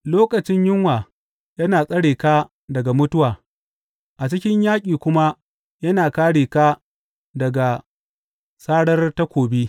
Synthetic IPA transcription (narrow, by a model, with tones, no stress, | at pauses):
loː˦kʼɐ˨t͡ʃɪ˦ɲjɪ˦ŋwaː˨ | jɐ˦naː˨sʼɐ˦ɽeː˨kaː˦ | dɐ˨ɡa˨mʊ˦tʊ˦waː˨ | ʔa˨t͡ʃɪ˦kʲɪ˦ɲjaː˦kʲʼiː˨kʷʊ˦ma˦ | jɐ˦naː˨kaː˦ɽeː˨ka˦ | dɐ˨ɡa˨ | saː˦ɽɐ˦rta˦kʷoː˨biː˦